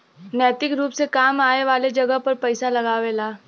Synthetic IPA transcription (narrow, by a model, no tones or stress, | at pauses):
nɛːt̪ɪkɾuːpsekaːmaːeʋaːled͡ʒɐɡəɦpɐɾpɐɪsalɐɡaːʋelaː